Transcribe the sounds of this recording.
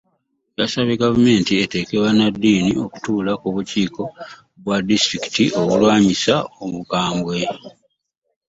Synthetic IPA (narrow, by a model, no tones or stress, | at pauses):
jasaβeɡavume̞ːntie̞te̞ke̞βanadːiːnio̞ku̥tuːlakuβuciːko̞ | βwadistɾiki̥tiʔo̞βulwaːɲisaomukaːmbwe̞